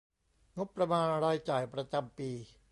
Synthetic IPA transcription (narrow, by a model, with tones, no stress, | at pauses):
ŋo˦˥pːɾa˧maː˧nɾaː˧jt͡ɕaː˨˩jpɾa˧t͡ɕa˧mpiː˧